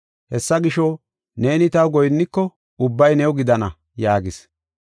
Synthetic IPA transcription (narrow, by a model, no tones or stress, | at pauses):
hɛsːɐɡɪʃɔ | ne̞ːnɪt̪ɐwɡɔjnːɪkːɔ | ʊbːɐjnɛwʊɡɪd̪ɐnɐ | jaːɡɪs